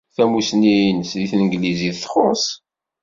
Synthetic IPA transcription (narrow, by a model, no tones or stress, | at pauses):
θæmusniinsðiθnəɡliziθθχos